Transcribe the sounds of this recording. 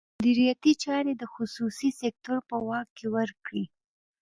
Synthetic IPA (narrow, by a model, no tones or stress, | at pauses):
mʊd̪iɾijat̪it͡ʃɑɾed̪əxʊsusisek̚t̪oɾpəwɑkːewəɾkɽi